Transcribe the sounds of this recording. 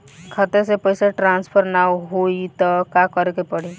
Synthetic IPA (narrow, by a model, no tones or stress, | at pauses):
kʰət̪esepəɪseʈɾãːnspʰəɾnawɦoit̪ɔkakəɾkepəɽi